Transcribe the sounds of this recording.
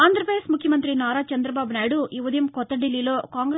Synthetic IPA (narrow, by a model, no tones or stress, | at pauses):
aːnd̪ɾɐpɾɐesmukʰjɐmɐnt̪ɾinaːɾaːt͡ʃɐnd̪ɾɐbaːbɐnaːjɽuʔiʋɐd̪jimkɔt̪ːɐɖilːiloːkaːŋɡɾ